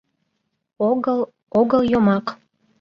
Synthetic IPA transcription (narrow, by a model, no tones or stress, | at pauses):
oɣəl | oɣəlˠjomɑk